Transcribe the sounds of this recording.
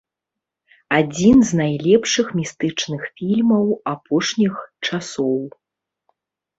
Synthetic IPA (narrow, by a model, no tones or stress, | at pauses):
ad͡zʲinznajlʲɛpʂɨxmʲist̪ɨt͡ʂnɨxfʲilʲmɐwapɔʂnʲixt͡ʂasɔw